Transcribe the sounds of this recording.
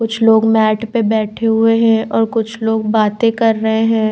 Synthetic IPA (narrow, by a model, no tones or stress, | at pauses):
kʊt͡ʃʰloːɡmɛːʈpebɛːʈʰeɦʊeɦɛ̃ʔɔːɾkʊt͡ʃʰloːɡbaːt̪ẽkɐɾːəɐɦẽɦɛ̃ː